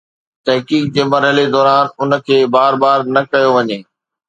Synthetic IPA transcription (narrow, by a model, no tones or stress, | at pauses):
t̪ɐɦkiːk̚d͡ʑeːmɐɾɦəled̪ɔːɾaːnʊnə̆kʰeːbaːɾbaːɾnɐkɐjoʋɐɲeː